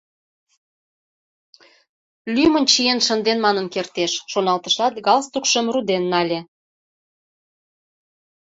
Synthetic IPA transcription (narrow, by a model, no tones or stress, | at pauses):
lʲymənt͡ɕijenʃə̆nd̪enmɑnənkert̪eʃːonɑlt̪əʃlɑt̪ɡɑlst̪ukʃəmrud̪enːɑlʲe